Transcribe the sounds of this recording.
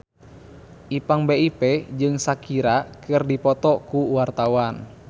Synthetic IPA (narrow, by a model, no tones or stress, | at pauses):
ʔipaŋbeipɛd͡ʒɨŋsakiɾakɨrdipɔt̪ɔkuwart̪awan